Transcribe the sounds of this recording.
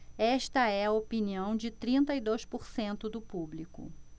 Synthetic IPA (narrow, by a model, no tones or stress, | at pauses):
ɛʃt̪ɐɛɐopiniɐ̃w̃d͡ʒɪt̪ɾĩnt̪ɐid̪ojspoɾsẽnt̪ʊd̪ʊpublikʊ̰